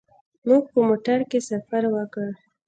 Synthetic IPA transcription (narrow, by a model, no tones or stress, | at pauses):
muɡ̚pəmoʈaɾkesafaɾwəkə